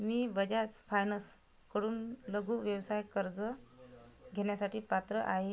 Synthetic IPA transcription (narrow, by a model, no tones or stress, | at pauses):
miːbəd͡ʑasfajnəs | kəɽuːnləɡʱuːʋjəʋsajkəɾd͡zə | ɡʱeɳjasaʈiːpat̪ɾəʔaɦe